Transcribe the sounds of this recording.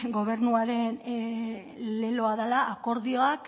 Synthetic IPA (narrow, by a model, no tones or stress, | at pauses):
ɡo̞β̞e̞ɾnuaɾe̞n | le̞loaðalaʔːko̞ɾðio̞ak